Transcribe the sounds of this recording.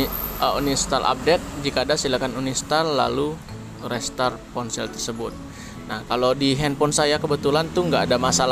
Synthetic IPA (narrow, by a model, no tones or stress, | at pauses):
əunist̪alʔa̰p̚dɛk̪̚d͡ʒikaːdasilakanunist̪arla̰lu | rɛst̪arpɔnsɛlt̪ərsəbʊt̪̚ | nahkalodiɦɛnpɔnsajakəbət̪ulant̪uŋɡaːdamasal